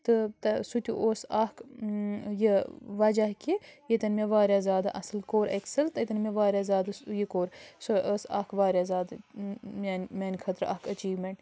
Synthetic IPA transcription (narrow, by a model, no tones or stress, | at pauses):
t̪ɨt̪ɐsut̪ʲṵʔoːsɐk | jiʋɐd͡ʒɐɦkijet̪ɐnmʲeʋaːɾʲjaːzʲaːd̪aʔɐslkoːɾʔeksɐlt̪ɨt̪ɐnmʲeʋaːɾʲjaːzʲaːd̪ɐsjikoːɾsoʔəsɐ̰kʰʋaːɾʲjazaːd̪mʲanmʲanʲkʰɐt̪ɾɐ̰hkɐt͡ʃiːʋmeɳʈ